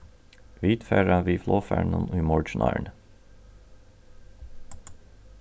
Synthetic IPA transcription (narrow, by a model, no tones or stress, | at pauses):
ʋiːt̪fæːɹɑʋiːfloːfæ̰ːɳɑniːmɔɹʃnʔɑ̰ːɳə